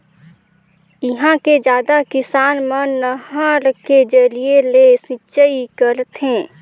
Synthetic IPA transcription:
ɪɦãked͡ʒjaːd̪akɪsaːnmənəɦãɾked͡ʒəɾielesɪ̃t͡ʃəikəɾt̪ɦɛ̃ː

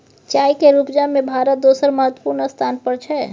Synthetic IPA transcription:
t͡ʃaːikeɾupd͡ʒamẽbʱaːɾət̪̚d̪oːsəɾməɦət̪wə̥puːɾnəst̪ʰaːnpəɾt͡ʃʰɛ

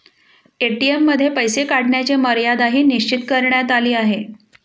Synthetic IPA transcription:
eʈiemːəd̪ʱːjepəjsekaɽɳjat͡ɕeməɾjad̪aɦiːniɕt͡ɕit̪kəɾɳjat̪aliːaɦe

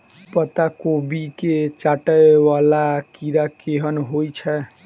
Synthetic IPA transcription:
pət̪akobiket͡ʃaʈəjwalakiɾakeɦənɦojt͡ʃʰɛ

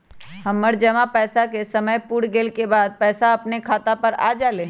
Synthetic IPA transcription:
hɐmːəɾd͡ʒɐmapɛːsakesɐməjpuɽɡeːlkebaːd̪̚pɛːsaɐpnekʰaːt̪apɐɾa̰ːd͡ʒaːlẽː

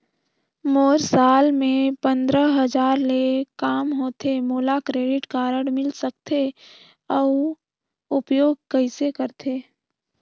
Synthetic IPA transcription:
moːɾsaːlmẽpə̃nd̪ɾəɦəd͡ʒaːɾlekaːmɦoːt̪emoːlakɾeːɖɪʈkaːɾəɽmɪlsək̚t̪ʰe | ɔ | ʊpjoːɡ̚kəɪsekəɾt̪ʰeː

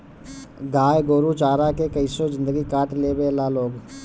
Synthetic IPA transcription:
ɡaːjɡoːɾut͡ʃaːɾakekəisod͡ʒɪ̃nd̪əɡikaːʈleːbelaːloːɡ

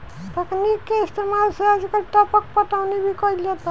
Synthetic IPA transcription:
t̪ʌknikːeest̪emalsʌad͡zikʌʈ̪ʌpʌk̚pʌʈawnebʱikʌiljet̪

